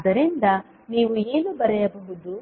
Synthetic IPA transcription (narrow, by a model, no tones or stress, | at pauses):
d̪ɐɾind̪ɐ | niːʋue̞ːnubɐɾɛjɐbɐɦud̪u